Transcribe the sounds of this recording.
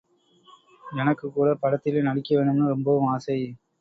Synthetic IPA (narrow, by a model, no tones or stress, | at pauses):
ɛnɐkːɯkːuːɽɐpɐɽɐt̪ːɪlenɐɽɪkːɐʋeːɳɖɯmnɯɾɔmbɐʋɯmaːsɐɪ